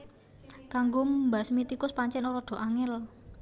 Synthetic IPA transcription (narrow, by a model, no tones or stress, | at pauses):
kaŋɡommbasmit̪ikʊspaɲt͡ʃɛnoɾɔɖ̪̥o̤ʔaŋɛl